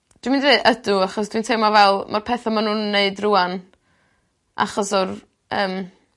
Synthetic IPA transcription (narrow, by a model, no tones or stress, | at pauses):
d̥wimindeːʔədʊaχɔs̬d̥wintʰemavɛlˠmʔarpʰɛθamanuːnːeɨdruan | ʔa̰χɔsɔr | əːm